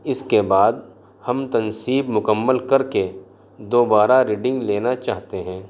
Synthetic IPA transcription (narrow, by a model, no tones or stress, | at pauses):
ɪskebaːd̪̚ | hɐmt̪ɐnsiːbmʊkəmːəlkɐɾke | d̪oːbaːɾaɾiːɖɪ̃ŋɡleːnat͡ʃaːɦt̪eɦɛ̃ː